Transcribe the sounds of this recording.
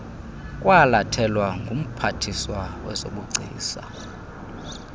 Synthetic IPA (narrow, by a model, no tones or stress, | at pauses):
kʼwalatʰɛlwaŋɡʱum̩pʰatʰiswawɛ̰zo̰ɓuɡ͡ǀʱḭːsa̰